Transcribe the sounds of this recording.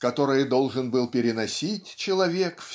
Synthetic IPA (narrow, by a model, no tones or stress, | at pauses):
kɐt̪o̞ɾɨjd̪o̞lˠʐɨnbɨlˠpʲɪɾʲɪnɐsʲitʲt͡ɕɪlˠɐvʲekf